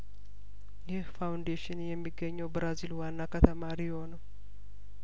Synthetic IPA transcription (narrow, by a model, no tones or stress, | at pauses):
jɪhfawnd̪eʃɪnjɛmːiɡːəɲːəwbɨɾazilwanːakət̪ʰəmaɾijɪho̞nəw